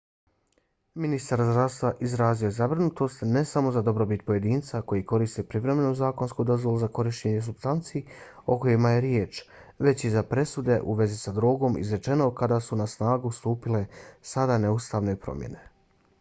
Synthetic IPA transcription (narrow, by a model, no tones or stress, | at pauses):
minist̪aɾzd̪ɾaʋst̪ʋaʔizɾaːziojzabɾinut̪o̞st̪ne̞samo̞zad̪o̞bɾo̞bit̪po̞je̞d̪iːnt̪sako̞jiko̞ɾist̪epɾiʋɾe̞me̞nuzaːko̞nskud̪o̞zvʋo̞luzako̞ɾiʃt͡ɕeɲe̞s̬ubst̪ant̪siːo̞ko̞jimajeɾjeːt͡ʃ | ʋe̞t͡ɕizapɾe̞sud̪e̞ʔuʋe̞zisad̪ɾoːɡo̞mḭzɾe̞t͡ʃe̞no̞kad̪asunasnaːɡust̪uːpile̞sad̪ane̞ust̪aːʋnepɾo̰mje̞̰ne̞